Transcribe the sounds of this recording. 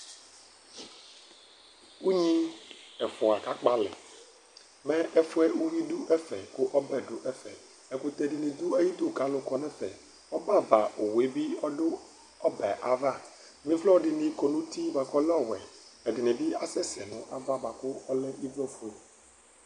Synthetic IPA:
wu˦ɲĩ˦ɛ˨fʊ˨a˨ka˦k͡pa˦lɪ̰˨ | mɛ̃˦ʔɛ˦fʊ˦ɛ˦u˦wi˦du˦ʔɛ˦fɛ˨kʊ˦ʔɔ˦bɛ˨ɖʊ˨ʔɛ˦fɛ̰˨ | ɛ˨kʊ˦t̪ɛ˨ɖɪ˨nɪ˨d̪u˦a˦ji˦d̪ʊ˦˨ka˦lʊ˨kɔ˦nɛ˦fɛ̰˨ | ɔ˦ba˦˨va˨o˨we˨˦bi˦ɔ˦ɖʊ˦ | ɔ˦bɛ˨ʔa˨va˦˨ | mĩ˦vlɔ˦ɖɪ˨nĩ˨kɔ˨nũ˦t̪i˦ba˨kɔ˦lɔ˦˨wɛ˨ɛ˨dɪ˨nɪ̃˨bi˦a˦sɛ˦sɛ̰˨nʊ̰̃˨ʔa˦va˦ba˨kʊ˦ɔ˦lɛ˦i˦vlɔ˦fu˨e˨

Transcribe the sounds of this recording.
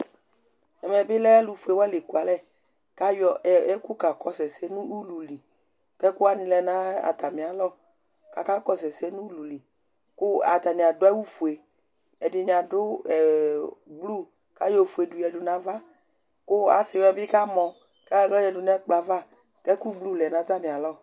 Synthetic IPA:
ɛ˨mɛ˨bɪ˦lɛ˦lu˨fu˨e˨wɛ˦le˨ku˨a˨lɛ˦˨ | ka˦jɔ˨ɛ˦ku˦ka˨kɔ˦sɛ˨sɛ˦nũ˦u˦lu˨li˨ | kɛ˦ku˦a˦nɪ̃˨lɛ˨nã˦a̰˨t̪a˨mĩ˨a˨lɔ˦˨ | ka˨ka˦kɔ˨sɛ˨sɛ˦nũ˦u˦lu˨li˨ | kʊ˦a̰˨t̪a˨nĩ˨a˨dɛ˦wu˦fu˨e˨ | ɛ˨dɪ˨ɲ˨a˨dʊ˦ɛ˨blu˦ | ka˦jɔ˨fu˨e˨du˨jɛ˨dʊ˨nã˨va˦ | kʊ˦a̰˨si˨wɛ˧˨bɪ˦ka˦mɔ̃˨ | ka˦ɡlɔ˦jɛ˨dʊ˨nɛ˦k͡pla˨va˦ | kɛ˦ku˦blu˦˨lɛ˨nã˨d͡za˦mĩ˨a˨lɔ˦˨

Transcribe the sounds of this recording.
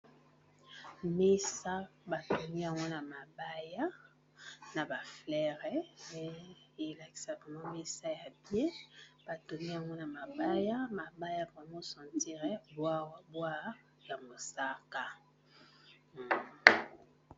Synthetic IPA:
me˦sa˦ba˨to˨mi˦a˨ŋɡɔ˦na˨ma˨ba˦ja˦ | na˨ba˨flɛ˦ʁɛ˨mɛ˨˦e˨la˨ki̥˨sa˨bɛ˨mã˦me˦sa˦ja˨bje˦b̥a˨to˨mi˦a˨ŋɡɔ˦na˨ma˨ba˦ja˦ma˨ba˦ja˦bɛ˨mɡo˦sɔ̃˨ti˦ʁɛ˨ba˦bwa˦ | ja˨mo˨sa˦ka˦˨

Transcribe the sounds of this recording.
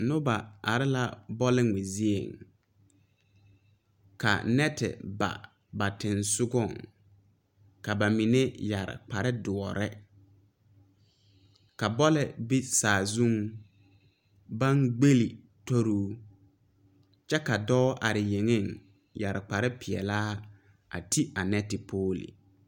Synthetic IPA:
nʊ˦ba˨a˨ɾɪ˦la˦˨bɔ˦lɪ˦ŋe˨zi˦ḛ˨ŋ | ka̰˨nɛ˦tɪ̰˨ba̰˨ | ba˨tɪ˨nsʊ˦ɡɔ˦˨ŋ | ka˨ba˨mi˨ne˦ja˨ɾɪ̰˨k͡pa˨ɾɪ˦dʊ˨ɔ˨ɾɛ˦ | ka˨bɔ˦lɛ˨bi˦saː˨zũ˦ŋ | ba˦ŋɡ͡be˦li˨ | to˦ɾuː˦ | t͡ʃɛ˦ka˨dɔ˦ʔa˨ɾɪ˨je˨ŋe˦˨ŋ | ja˨ɾɪ˨k͡pa˨ɾɪ˦pʰɪ˨ɛ̰˨laː˦ | a̰˨tʰi˦a˨nɛ˦tɪ˨pʰoː˦lḭ˨

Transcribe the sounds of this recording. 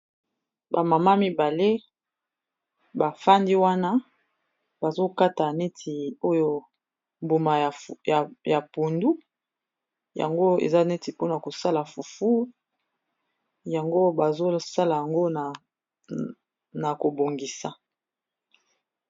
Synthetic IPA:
ba˨ma˨ma˦mi˦ba˨le˦ | ba˨fa˦ndi˦wa˦na˦ | ba˨zo˦ka˦ta˨ne˦tʰi˨o˦jo˦ | mbu˨ma˨a˨ja˨pu˨ndu˦ | ja̰˨ŋɡo˦ḛ˨za˦ne˦ti˨po˦na˨ko˨sa˦la˨fu˨fu˦ | ja˨ŋɡo˦ba˨zo˦sa˦la˨ja˨ŋɡo˦˨ | na˨ko˨bo˨ŋɡi˨sa˨

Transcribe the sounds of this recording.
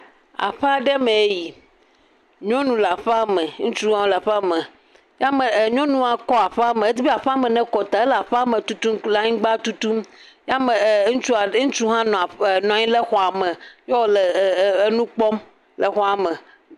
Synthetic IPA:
a̰˨ɸɛ˦a˨ɖɛ˦mẽ˨e˦ji˨ | ɲɔ̃˦nũ˨la˨ɸɛ˦a˦me˨˦ŋũ˦t͡ʃu˦ɦã˦la˨ɸɛ˦a˦mẽ˨ | ja˦me˨ɲɔ̃˦nũ˦a˨kɔ˦a˨ɸɛ˦a˦mẽ˨e˦t̪i˦bi˦a˨ɸɛ˦a˦mɛ̃˨nɛ̃˦kɔ˨t̪a˨e˦la˨ɸa˦mẽ˨t̪u˦t̪u˦mla˦ɲĩ˦ɡ͡ba˦t̪u˦t̪u˦mja˦me˨˦ŋũ˦t͡ʃu˦a˨˦ŋũ˦t͡ʃu˦ɦã˦n˨nɔ̃˨a˨ɲĩ˦le˦xɔ˨a˨mẽ˨jɔ˦˨lɛ˨˦nũ˦k͡pɔ˦m | lɛ˨xɔ˦a˨mẽ˨

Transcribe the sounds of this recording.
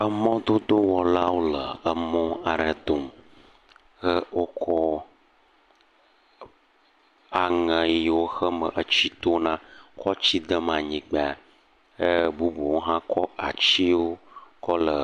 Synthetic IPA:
ə˦mɔ̃˦d̪o˦d̪o˦wɔ˨la˦wo˦lə˨ə˨mɔ̃˦a˨ɖə˨d̪o˨m | xə˦wʔo˦kʰɔ˦ | a˨ŋə̃˨˦˨wo˦xə˦mə̰˨ʔə˦t͡ɕi˦t̪o˦nã˦kʰɔ˦t͡ɕi˦d̪ə˦m˨ã˨ɲĩ˨˦k͡pe˨a˨ | ə˦bu˦bu˨wo˦ɦã˦kʰɔ˦a̰˨t͡ɕi˦wo˦kɔ˦lə˨

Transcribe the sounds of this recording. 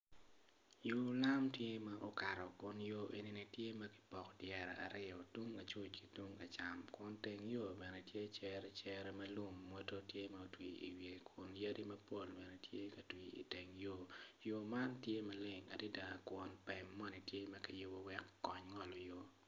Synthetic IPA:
jo˦la˦mtje˦ma˦ʔo˨ka˨ɾɔ˨kʊ˦njo˦ʔe˨ni˦ni˦tje˦mɐ˦ki̥˨pɔ˨kdjɛ˨ɾa˨a̰˨ɾɪ˦ɔ˨tu˦ŋɐ˨t͡ʃu˦t͡ʃki˨tu˦ŋɐ˨t͡ʃa˨mkwɔ˦nte˨ŋjo˦bɛ˨nɛ˨tje˦t͡ʃɛ˦ɾɛt͡ʃɛ˦ɾɛ˦mɐ˦lu˦mːo˦to˦tje˦mɐ˨o˨twi˨ḭ˨wje˨kwʊ˨nja˦di˦mɐ˦po˦lbɛ˨nɛ˨tje˦kɐ˨twi˨ḭ˨te˨ŋjo˦jo˨ma˦ntje˦mɐ˦lɪ˨ŋa̰˨di˦da˨kwɔ˦npɛ˨mːɔ˦ni˨tje˦mɐ˦kɐ˨jʊ˦bo˨wɛ˦kːɔ˦ɲŋɔ˦lɔ˨jo˦

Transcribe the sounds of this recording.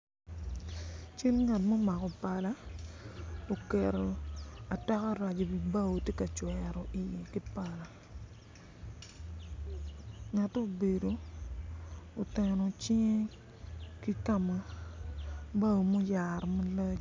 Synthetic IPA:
t͡ʃi˦lŋa˨tmo˦ma˨kɔ˨pa˨la˦ | o˨kɛ˨ɾo˨a˨ta˦ka˦ɾa˨d͡ʒo˨bi˨ba˦o˨te˦ka˨t͡ʃwɛɾɔ˨ʔi˨je˨ki˦pa˨la˨ | ŋa˨to˦˨be˨do˨ | o˨te˨no˨t͡ʃi˦ŋe˦ | ki˦ka˦ma˨ | ba˦o˨mo˦ja˨ɾma˦la˦d͡ʒ

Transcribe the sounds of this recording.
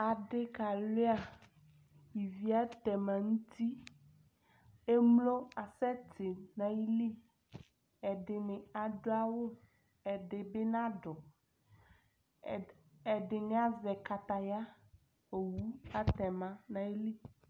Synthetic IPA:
a˨ɖe˦ka˨le˦a˨ | ji˨vi˦a˦t̪ɛ˨mã˨ŋũ˦t̪i˦ | e˦mlo˦a˨sɛ˦t̪e˨nã˨i˦li˦ | ɛ˨ɖe˨mẽ˨a˨ɖo˦a˦wo˦ | ɛ˨ɖe˨be˦nã˦ɖɔ˨ | ɛ˨ɖe˨ne˦a˦zɛ˨ka˨t̪a˨ja˦ | o˨wu˦a˦t̪ɛ˨mã˦nã˨i˦li˦

